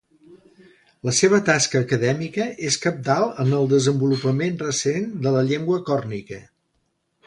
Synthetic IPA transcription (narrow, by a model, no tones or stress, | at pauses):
ləseβ̞ət̪askəːkəðɛmikəʔeskəp̚d̪alˠənəlˠd̪əzəmbulupəmenrəsend̪ələʎeŋɡwəkɔrnikə